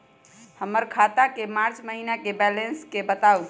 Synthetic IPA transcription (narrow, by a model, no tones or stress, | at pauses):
həmːəɾkʰat̪akemaɾt͡ʃməɦinakebɛlenskebət̪au